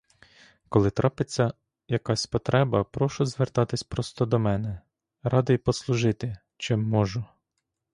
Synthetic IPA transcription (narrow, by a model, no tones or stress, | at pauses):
kɔlˠɪt̪ɾʔɑpɪt͡sʲːɐ | jɐkɑsʲpɔt̪ɾʔɛbɐpɾɔʃʊzʋert̪ɑt̪ɪsʲpɾɔst̪ɔd̪ɔmɛnɛ | ɾɑd̪ɪjpɔslˠʊʒɪt̪ɪ | t͡ʃɪmːɔʒʊ